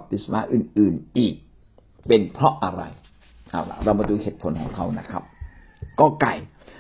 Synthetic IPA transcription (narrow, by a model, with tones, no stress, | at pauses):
p̚t̪i˨˩t̪̚sa˧naː˦˥ʔɯː˨˩nʔɯː˨˩nʔiː˨˩k̚ | pe˧npʰɾɔ˦˥ʔa˧ɾa̰˧j | ʔa˨˩wla̰˧˩ɾa˧wba˧duː˧heː˨˩t̪̚pʰo˩˦nkʰɔː˩˦ŋkʰa˧˩wna̰˦˥kʰɾa˦˥p̚ | kɔː˥˩ka˧˩j